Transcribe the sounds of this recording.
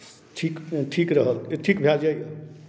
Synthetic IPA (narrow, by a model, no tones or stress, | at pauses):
ʈʰikʈʰikɾəɦəlʈʰikbʱjad͡ʒajə